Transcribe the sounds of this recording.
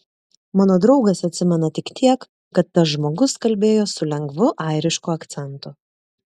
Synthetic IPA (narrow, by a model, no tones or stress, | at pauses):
mɑːnoːd̪ɾɒʊɡɐsɐt̪ʲsʲɪmʲɛnɐt̪ʲɪkt̪ʲʰiɛkː | ɐt̪ːɐs̬ʒmoːɡʊskɐlʲbʲeːjoːsʊlʲɛŋɡʋʊʔɐˑɪɾʲɪʃkuɐkt̪sʲɛnt̪ʊ